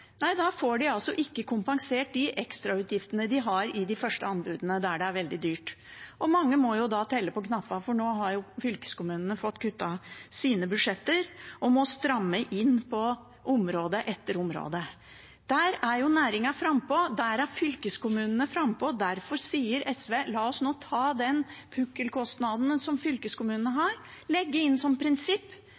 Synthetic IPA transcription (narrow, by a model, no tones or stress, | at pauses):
næɪd̪ɑfoːɖɪɑlsɔʔɪkːəkʰʊmpɑŋseːʈ̚d̪ɪʔɛkst̪ɾɑʉːt̪ʰjɪft̪ənəd̪ɪɦɑɾɪd̪ɪfœʂʈəɑnbʉːd̪ənəd̪æɖɛæɾʋɛld̪ɪd̪yːʈʔɔmɑŋːəmɔjʊd̪ɑt̪ʰɛlːəpɔkʰnɑpːɑfɔɳoːɦɑɾjʊfʏlkə̥skʊmʉːnənəfɔt̪ːkʰʉt̪ːɑsiːnəbʉd̪ʂɛt̪ːəɾʔɔmɔst̪ɾɑmːəʔɪnːpʰɔ | ʔʊmɾoːd̪əʔɛt̪ːəɾʊmɾo̰ːd̪ə | d̪̥æɾæɾjʊnæːɾɪŋɑfɾɑmpɔd̪æɾæɾfʏlkəskʊmʉːnənəfɾɑmpɔd̪æɾfɔɾsiːəɾɛsʋeːlɑːɔsnoːt̪ʰɑːd̪ɛnpʰʉkːəlkʰɔst̪nɑd̪nsɔmfʏlkəskʊmʉːnənəɦɑɾlɛɡːəɪnːsɔmpʰɾɪnsɪpː